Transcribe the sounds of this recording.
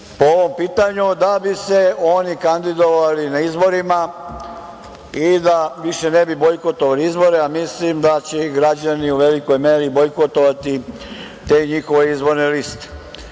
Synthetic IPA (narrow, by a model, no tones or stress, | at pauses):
pooʋo̞mpiːt̪aɲud̪abise̞o̞ːnikand̪id̪o̞ʋalinaizbo̞ɾima | id̪aʋiʃe̞nebibo̞jko̞t̪oʋaliizbo̞ɾeamislimd̪at͡ɕeɡɾad͡ʑaniuʋe̞liko̞jmeːɾiːbo̞jkot̪o̞ʋat̪i | t̪e̞ɲixo̞ʋeizbo̞ɾnelist̪e̥